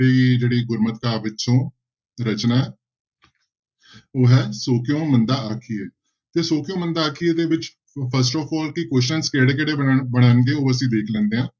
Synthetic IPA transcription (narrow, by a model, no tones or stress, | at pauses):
eːd͡ʒeːɽiːɡʊɾmət̪kaːʋɪt͡ʃt͡ʃõː | ɾət͡ʃnaːɛː | oːɦɛːsoːkɪjõːmənd̪aːʔakʰieː | t̪eːsoːkjõːmənd̪aːaːkʰieːd̪eːʋɪt͡ʃ | pʰəɾs̬ʈɔːpɔːlkɪkɛs̬ʈənskeːɽeːkɛːɽeːbəɽ̃aːnɡeːoːəs̬ĩːd̪eːkʰlɛ̃ːnd̪eːɦãː